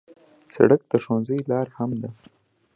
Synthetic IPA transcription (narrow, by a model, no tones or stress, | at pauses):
sa̰ɽək̚d̪əʂonzəjlɑɾhamd̪a